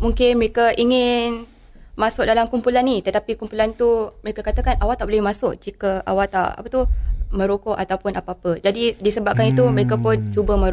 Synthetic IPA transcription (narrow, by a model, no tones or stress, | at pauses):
muŋkɪnməɾekaʔiŋɪn | masʊk̚dalamkumpulanːit̪ət̪apikumpulant̪uməɾekakat̪əkanawat̪aʔbolɛhmasʊk̚d͡ʒikəa̰walt̪a̰ʔa̰pət̪umə̃ɾokɔʔat̪awpʊnapaapəd͡ʒadidisəbap̚kanit̪uməɾekapʊnt͡ʃubəmə̃ɾ